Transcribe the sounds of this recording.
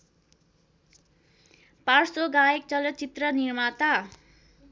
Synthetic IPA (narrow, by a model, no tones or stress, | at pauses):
parsoɡajek̚t͡sʌlʌt͡ʃit̪rʌnirmat̪a